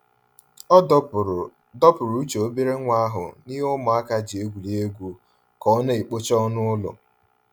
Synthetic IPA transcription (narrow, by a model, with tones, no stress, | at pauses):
dɔ˦pʊ˨ɾu˨u˦t͡ʃo˨o˦bi˦ɾe˦ŋʷa˦a˦ɦʊ̰˨ni˦ɦʊ˦mʊ˨a˦ka˦d͡ʒi˨e˦ɡʷu˨li˦e˦ɡʷu˨ | kɔ˨˦ne˦i˨k͡po˦t͡ʃɔ˦nʊ˦ʊ˦lʊ̰˨